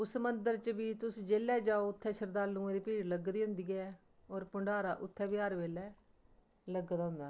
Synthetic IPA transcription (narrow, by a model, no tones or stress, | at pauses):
ʊsmənd̪əɾt͡ʃəbiːt̪ʊsd͡ʒeːlːɛːd͡ʒaːoːʊt̪ʰːɛːʃəɾd̪aːlnũːd̪iːpiːɾləɡd̪iːɦʊ̃nd̪iːɛː | ɔːɾpʊɳɖaːɾaːʔʊt̪ʰːɛːbɪaːɾʋeːlɛː | ləɡd̪aːɦʊ̃nd̪aː